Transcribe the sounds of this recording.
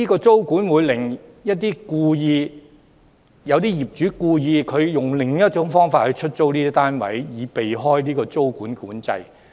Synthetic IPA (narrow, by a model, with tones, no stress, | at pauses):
liː˥kɔː˧t͡so˥wkuː˨˥nwuː˨˧jlɪ˨˩ŋ | jɐ˥t̚t̪iː˥kuː˧jiː˧ | jɐ˨˧wt̪̬iː˥jiː˨˩p̚t͡ʃy˨˥kuː˧jiː˧kʰɵ˨˧ɥjʊ˨˩ŋlɪ˨˩ŋjɐ˥t͡ʃʊ˨˥ŋfɔː˥ŋfaː˧t̚hɵ˨˧ɥt͡ʃʰɵ˥t̚t͡so˥wniː˥i˥t̪aː˥nwɐ̰˨˥jjiː˨˧pe˨jɦɔː˥jliː˥kɔː˧t͡so˥wkuː˨˥nkuː˨˥nt͡sɐ̰˧j